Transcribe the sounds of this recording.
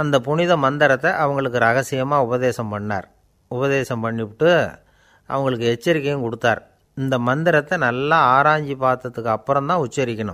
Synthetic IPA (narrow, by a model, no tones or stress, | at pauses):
ɐnd̪ɐpʊnɪðɐmɐnd̪ɪɾɐt̪ːɛʔɐʋɐŋɡɐɭɯk̬ːɯɾɐɣɐsɪjɐmaːʊbɐðeːsɐmpɐɳːa̰ːɾ | ʊbɐðeːsɐmpɐɳːɪpʈːɯ | ʔɐ̰ʋɐŋɡɐɭɯkːɯɛt͡ʃːɐɾɪkːɐjnkɔɽɯt̪ːaːɾ | ɪnd̪ɐmɐnd̪ɪɾɐt̪ːɛnɐlːaaːɾaːɲd͡ʒipaːɾt̪ːɐt̪ːɯkːɯɐpːɯɾɐmt̪ãːʊt͡ʃːɐɾɪkʲːɐɳɯ̰m